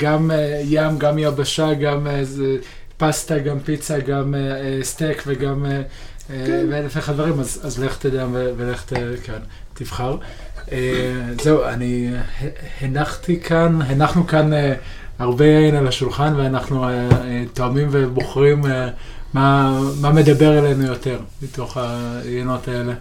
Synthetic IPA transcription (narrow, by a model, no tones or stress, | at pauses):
ɡ̥amejamɡamiabaʃaɡame | pastaɡampit͡saɡameestekveɡame | velefeχad̪veʁimazazleχt̪eljamveveleχt̪ekan | t̪ivχaʁ | eze̞uanihehenaχt̪ikʰanɦenaχnukane | aʁbe̞jainalaʃulχanveanaχnuetoamimve̞bo̞χʁime | mamame̞d̪abe̞ʁele̞nujo̞te̞ʁmito̞χajeno̞tae̞le̞